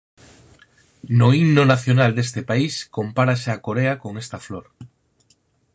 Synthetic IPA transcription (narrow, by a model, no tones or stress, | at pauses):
noinonaθjonald̪est̪epaiskompaɾaseakoɾeakoŋest̪afloɾ